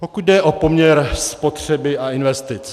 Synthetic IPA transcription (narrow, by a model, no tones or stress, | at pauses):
pokud̪̚dɛʔopo̞mɲɛɾspot̪r̝̥ɛbɪaɪnvɛst̪ɪt͡s